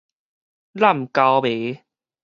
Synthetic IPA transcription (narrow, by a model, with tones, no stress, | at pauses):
la˥˩m̩˨ka˧wbe˨˦